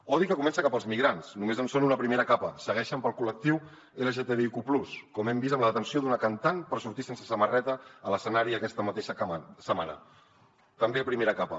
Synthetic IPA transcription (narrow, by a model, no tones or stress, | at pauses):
ɔðikəkumɛnsəkapəlˠzmiɣɾansnumezənsonunəpɾimeɾəkapəsəɣɛʃəmpəlˠkulək̚t̪iw | eləʒet̪eðeikupluskɔmɛmbizəmləðət̪ənsioðunəkənt̪anpəɾsuɾt̪isensəsəmərɛt̪əːləsənaɾiəkɛst̪əmət̪eʃəasəmanə̰ | t̪əmbepɾimeɾəkapə